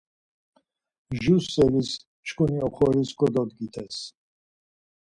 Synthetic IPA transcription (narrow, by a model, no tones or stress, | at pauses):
ʒusɛlis | t͡ʃkʰʼuniɔχʰɔɾiskʼɔd̪ɔd̪ɡit̪ʰɛs